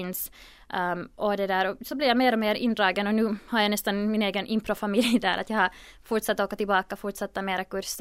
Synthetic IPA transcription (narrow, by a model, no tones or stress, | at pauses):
ɪns | ʔɔd̪ɛd̪æːɾɔsɔblɪɾjameːɾɔmeːɾɪ̰nd̪ɾɑːɡənɔnʉːhaɾjanɛst̪anmɪneːɡənʔɪmpɾɔfamɪld̪æ̰ːɾʔat̪jɑːhaɾ | fʊɾʈʂat̪ːoːkat̪ɪlbɑːkafʊɾʈʂat̪ːameːɾakɵɾs